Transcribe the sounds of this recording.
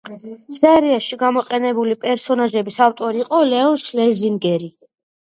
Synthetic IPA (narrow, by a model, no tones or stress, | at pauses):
sɛɾiaʃiɡamɔqʼɛnɛbulipʼɛɾsɔnaʒɛbisaft̪ʼɔɾiːqʼɔlɛɔnʃlɛziŋɡɛɾi